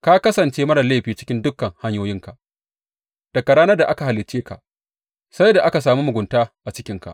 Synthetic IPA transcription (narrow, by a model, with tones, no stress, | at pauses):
ka˦kɐ˦sɐ˨nt͡ʃeː˦mɐ˦ɽɐ˨la˦˨ɸiː˨t͡ʃɪ̥˦kʲɪ˦ndʊ˦kːɐ˨ŋha˦ɲjoː˦jɪ˦ŋka˨ʔ | d̥ɐ˨ka˨ɽaː˦nɐ˦rda˨ʔa˦ka˨ɦa˨lɪ˨t͡ʃːeː˦ka̰˨ʔ | sa˦jda˨ʔa˦ka˨saː˨muː˦mʊ˨ɡʷʊ˨ntaː˦ʔa˨t͡ʃɪ˦kʲɪ˦ŋka̰˨ʔ